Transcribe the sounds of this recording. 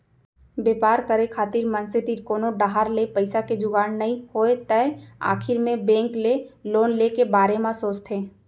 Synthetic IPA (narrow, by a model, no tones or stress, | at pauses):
beːpaːɾkəɾekʰaːt̪iɾmə̃nsɪt̪iːɾkoːnoɖaɦaɾlepəɪsaked͡ʒʊɡaːnːɐɦĩhoːet̪əa̰ːkʰɪɾmẽbɛ̃ːŋkleloːnlekebaːɾemãsoːt͡ʃt̪ʰeː